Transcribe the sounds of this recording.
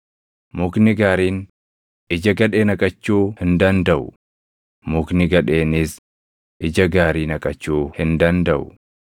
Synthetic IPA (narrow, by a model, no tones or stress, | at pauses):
mʊknɪɡaːɾiːn | ɪd͡ʒɐɡɐᶑe̞ːnɐkʼɐt͡ʃːuːhɪnd̪ɐnd̪ɐʔʊ | mʊknɪɡɐᶑe̞ːnɪs | ʔɪd͡ʒɐɡaːɾiːnɐkʼɐt͡ʃːuːhɪnd̪ɐnd̪ɐʔʊ